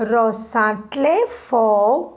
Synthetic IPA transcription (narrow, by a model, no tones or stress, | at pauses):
ɾɔsãt̪lefɔ